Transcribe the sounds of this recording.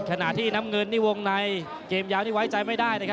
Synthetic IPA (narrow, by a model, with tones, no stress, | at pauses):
kʰa˧na̰˨˩t̪ʰiː˥˩na˦˥mŋɤ˧nːiː˥˩wo˧ŋna˧j | keː˧mjaː˦˥wniː˥˩wa˦˥jt͡ɕa˧jma˥˩jdaː˥˩jnaː˧˩kʰ